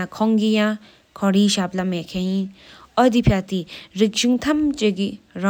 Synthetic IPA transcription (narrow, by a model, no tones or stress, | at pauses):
akʰɔŋkijaŋ | kʰɔɾiɕap̚lameʔkʰejinʔɔd̪ipʰat̪irik̚ɕuŋt̪ʰamt͡ɕəkira